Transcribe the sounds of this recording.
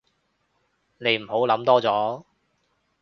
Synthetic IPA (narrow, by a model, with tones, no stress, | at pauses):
ne˨˧jm̩˨˩ɦo˨˥wlɐ˨˥mt̪ɔː˥t͡sɔː˨˥